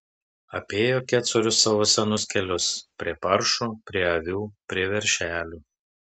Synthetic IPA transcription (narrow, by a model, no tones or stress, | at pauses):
ɐpʲeːjoːkʲæːt̪soɾʲʊsːɑʋoːsʲɛnʊskʲɛlʲʊspʲɾʲiɛpɐɾʃuːpʲɾʲiɛɐʋʲuːpʲɾʲiɛʋʲɛɾʲˑʃʲæːlʲuː